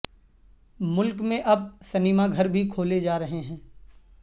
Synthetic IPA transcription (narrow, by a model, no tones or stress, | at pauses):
mʊlkmẽʔɐb̚sɐnɪmaɡʱɐɾbʱikʰoːled͡ʒaːɾɐɦeɦɛ̃ː